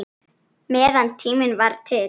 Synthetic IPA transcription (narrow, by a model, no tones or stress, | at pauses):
mɛːðant̪ʰiːmɪnvaɾt̪ʰɪ